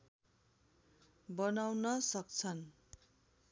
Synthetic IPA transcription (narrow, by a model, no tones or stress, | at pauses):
bʌnawnʌsʌk̚t͡sʰʌn